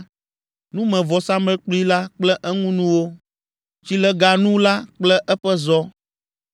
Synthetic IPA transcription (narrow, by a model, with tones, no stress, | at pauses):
nũ˦mɛ̃˨vɔ˨sa˦mɛ̃˦k͡pli˦la˦k͡plɛ˦ʔɛ˦ŋũ˦nũ˦wo˦ | t͡ɕi˦lɛ˦ɡa˨nũ˦la˦k͡plɛ˦ʔɛ˦ɸɛ˦zɔ˦